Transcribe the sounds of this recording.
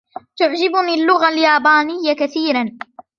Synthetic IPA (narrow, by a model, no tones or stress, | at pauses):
t̪ʊʕd͡ʒɪbʊniːlːʊɣaljaːbaːnɪjːakaθiːɾan